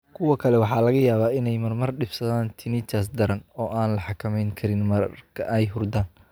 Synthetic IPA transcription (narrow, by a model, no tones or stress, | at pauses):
kʰʊwɐkʰɐlɛwɑħɑːlɐɣɐjaːβaːɪnɛjmɐrmɐrɖɪbsɐðaːnt̪ʰɪnɪt͡ʃɐs̬d̪ɐɾɐnɔːʔaːnlɐħɑkʰɐmɛjŋkʰɐɾɪnmɐrkʰɐ̰ʔɛjɦʊrd̪aːn